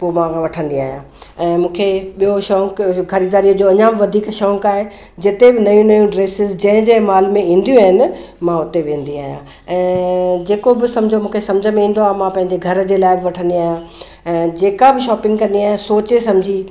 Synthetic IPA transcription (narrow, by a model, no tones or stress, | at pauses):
poːmãkʰãʋɐʈʰə̃nd̪ia̰ːɦijã | ɛ̃ːmũːkʰeɓijoʃɔːŋkkɐɾid̪aːɾijəd͡ʑoːɐɲãbɪʋɐd̪ʱiːkʃɔ̃ːŋkaːɦe | d͡ʑɪt̪ebɪnɐjũnɐjũɖɾeːsɪzd͡ʑɐ̃ɦɪ̃d͡ʑemaːlmẽĩːnd̪jũaːɦɪnɪ̆ | mãʊt̪eʋẽːn̆d̪iaːɦijã | ɛ̃ːd͡ʑeːkobɪsɐ̃md͡ʑʱomũːkʰesɐ̃md͡ʑʱəmẽĩːn̆d̪oaːɦmãpɐ̃ɦɪ̃ɲd͡ʑeɡʱɐɾd͡ʑeːlaːɪbɪʋɐʈʰə̃nd̪iaːɦijã | ɛ̃ːd͡ʑeːkabɪʃɔːpɪ̃ŋɡkɐ̃nd̪iaːɦjẽsoːt͡ɕesɐmd͡ʑʱi